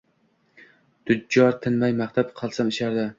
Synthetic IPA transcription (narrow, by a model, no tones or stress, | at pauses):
d̪̥ʊɒɾt̪ʰɪnmajmaχt̪ʰapqʰɑlˠsamɪʃaɾd̪ɪ